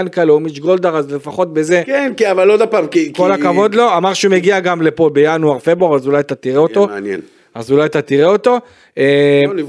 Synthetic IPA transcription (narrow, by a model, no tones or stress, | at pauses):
nkalomit͡ʃɡold̪aʁazle̞faχo̞t̪beze̞kenkiavalod̪apaːmkiko̞lakavo̞d̪lo̞amaʁʃeumeɡiaɡamlepo̞bejanuaʁfebuaʁazulajt̪at̪iʁeo̞t̪o̞jḛn | azulajt̪at̪iʁeo̞t̪o̞ | e